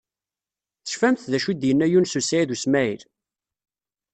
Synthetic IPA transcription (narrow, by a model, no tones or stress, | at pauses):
θə̥ʃfæmθðæʃud̪jənːæjunsusæiðusmæil